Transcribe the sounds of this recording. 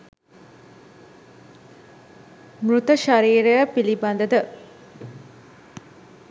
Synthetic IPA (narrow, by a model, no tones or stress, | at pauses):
mrut̪əʃaɾiːɾəjəpiliband̪əd̪ə